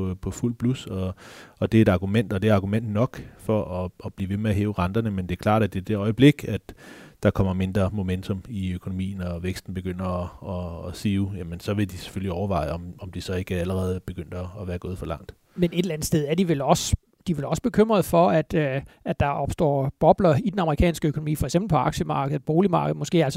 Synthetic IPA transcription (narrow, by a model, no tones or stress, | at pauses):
pʰɒ̽ful̰̚pʰlusɒ̽ɒ̽d̥e̝e̝d̥ɑ̈ɡ̥umen̰d̥ɒ̽d̥e̝æɐɑ̈ɡ̥umen̰d̥nɒ̽ɡ̥fɒ̽ʔɒːb̥liːʋe̝meæɦeːʊʁɑ̈nd̥ɐnəmend̥e̝æɐkʰlɑ̰̈ːɾ̥æd̥e̝d̥e̝ɒ̽ɪəb̥le̝ɡ̥æd̥d̥ɑ̈kʰɒ̽m̰ɐme̝nd̥ʁɐmo̝ment͡sʰo̽miøkʰo̝nomḭːn̩ɒ̽ʋeɡ̥sd̥n̩b̥e̝ɡ̥øn̰ɐɒːsiʊjæmənsɒ̽ʋe̝d̥ise̥føliɒʊɐʋɑ̈ɪɒ̽mɒ̽md̥isɒ̽e̝ɡ̥əæləʁɛːð̞̩ˠb̥e̝ɡ̥øn̰d̥ɐːʋæːɐɡo̝ːð̞̩ˠfɒlɑ̈ŋ̰d̥ | mene̝d̥elæn̩sd̥eð̞ˠæɐd̥iʋelɒ̽sə | d̥iʋe̝lɒ̽sə̥b̥e̝kʰøm̰ʁɐð̞̩ˠfɒ̽æd̥æd̥ɑ̈ɒ̽b̥sd̥ɒ̰ːb̥ɒ̽b̥lɐid̥enɑ̈məʁikʰɛ̰ːnsɡ̥əøkʰo̝no̝mḭːfɒ̽ɪɡ̥semb̥l̩pʰɒ̽ɑ̈ɡ̥ɕəmɑ̈ːɡ̥əð̩ˠb̥o̝ːlimɑ̈ːɡ̥ð̩ˠmɔ̽sɡ̥e̝̰ːæls